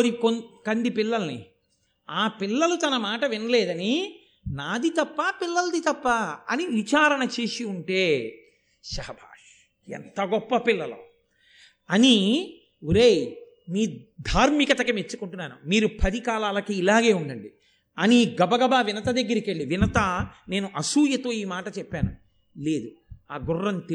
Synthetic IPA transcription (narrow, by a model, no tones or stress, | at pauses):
oɾikonkɐnd̪ipilːɐlnḭ | aːpilːɐlut̪ɐnɐmaːʈɐʋinɐleːd̪ɐni | naːd̪it̪ɐpːɐpilːɐld̪it̪ɐpːaɐniʋit͡ʃaːɾɐnɐt͡ʃe̞ːsiuɳʈeː | ʃɐɦɐbʱa̰ːʂ | ḛnt̪ɐɡɔpːɐpilːɐlo̰ː | ɐni | uɾeːj | miːd̪ʱaːɾmikɐt̪ɐkimet͡ʃːukuɳʈunːaːnumiːɾupʰɐd̪ikaːlaːlɐkiːlaːɡe̞ːuɳɖɐɳɖi | ɐniɡɐbɐɡɐbaːʋinɐt̪ɐd̪eɡːɐɾikeɭːiʋinɐt̪ɐne̞ːnuʔɐsuːjɐt̪o̞ːiːmaːʈɐt͡ʃɛpːaːnu | le̞ːd̪u | aːɡurːɐnt̪